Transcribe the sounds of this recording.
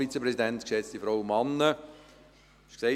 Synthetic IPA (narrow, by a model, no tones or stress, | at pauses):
it͡səprɛsidɛntkʃɛt͡stifɾɔʊmɑnːə | ʃkse